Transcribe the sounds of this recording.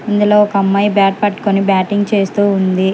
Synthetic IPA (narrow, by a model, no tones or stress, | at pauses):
ind̪ulo̞ːɔkɐɐmːɐjbaːʈ̚pɐʈːu̥konibaːʈiŋɡ̚t͡ʃe̞ːst̪uːund̪i